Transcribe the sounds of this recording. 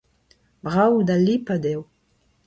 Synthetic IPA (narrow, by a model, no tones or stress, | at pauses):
bʁawd̪alːipad̪ew